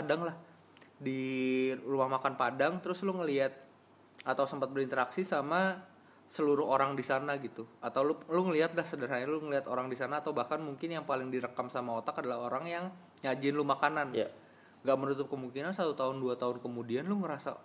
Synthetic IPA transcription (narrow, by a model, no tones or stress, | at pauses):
padaŋlah | di | rumahmakanpadaŋt̪əɾʊslʊŋəliat̪̚ | at̪awsəmpat̪̚bəɾint̪əɾaksisama | səluɾʊɦoɾaŋdisanaɡit̪uat̪awlʊluŋəliɦat̪̚lahsədaɾɦaɲalʊŋəliat̪oɾaŋdisanaːt̪awbahkanmuŋkɪnjaŋpalɪŋdiɾəkamsamaot̪akadalahoɾaŋjaŋ | ɲad͡ʒɪnlumakanan | ŋɡaʔmənut̪ʊp̚kəmuŋkinansat̪ut̪aɦʊnduat̪aʊnkəmudianlʊŋəɾasa̰